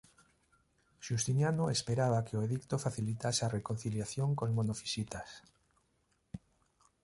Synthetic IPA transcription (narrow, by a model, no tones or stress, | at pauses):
ʃust̪injanoespeɾaβ̞akeoeðikt̪ofaθilit̪asarekon̟θiljaθjoŋkozmonofi̥sit̪as